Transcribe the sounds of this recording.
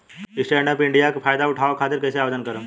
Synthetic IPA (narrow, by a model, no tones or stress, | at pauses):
ɪsʈɛːɾɖəpɪ̃ɳɖijakpʰaːjd̪aʊʈʰaːʋakʰaːt̪ɪɾkɛːseaːʋed̪ənkəɾə̃